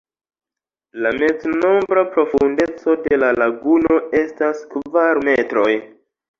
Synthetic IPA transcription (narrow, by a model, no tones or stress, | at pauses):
lame̞d͡zno̞mbɾapɾo̞funde̞t͡so̞de̞lalaɡuno̞e̞staskvaɾme̞tɾo̞j